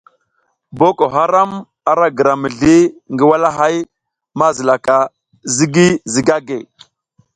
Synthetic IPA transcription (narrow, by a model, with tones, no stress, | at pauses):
bo˦ko˨ɦa˦ɾa˦m | a˨ɾa˦ɡə˨ɾa˨mə˨ɮi˦ŋɡə˦wa˦la˦ɦa˦j | ma˦zə˨la˨ka˨ | zi˦ɡi˦zi˨ɡa˦ɡe˨